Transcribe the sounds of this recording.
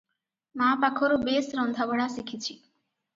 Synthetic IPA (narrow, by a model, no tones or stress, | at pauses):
mapakʰɔɾobesɾɔnd̪ʱabɔɽasikʰit͡ɕʰi